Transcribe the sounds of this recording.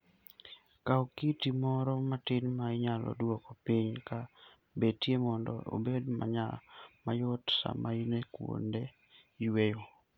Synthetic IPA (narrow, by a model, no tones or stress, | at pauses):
kaokitimɔɾɔmatɪnmaɪɲalɔ̰dwɔkɔpɪɲka | betjemɔndɔ̰o̰bedma̰ɲamajɔtsa̰mainekwo̰nde | ijwejo